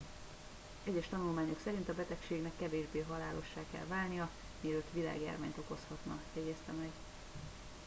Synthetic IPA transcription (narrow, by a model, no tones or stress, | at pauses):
ɛɟɛʃt̪ɒnulmaːɲoksɛɾint̪ɒbɛt̪ɛkʃeːɡnɛkːɛveːʒbeːɦɒlaːlo̞ʃːaːkɛ̰lvaːlnijɒ | miløt̪ʋila̰ːɡja̰ːrma̰ːɲt̪o̞ko̞shɒt̪nɒ̰fɛːɟɛst̪ɛmɛɡ